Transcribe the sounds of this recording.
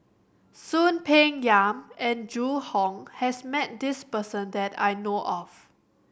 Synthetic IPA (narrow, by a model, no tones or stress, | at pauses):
sũnpʰeɪ̃ŋjãmɛ̃nd͡ʒuhɔ̃ŋhɛsmɛt̚dispəsə̃ndɛta̰jnoʔɔf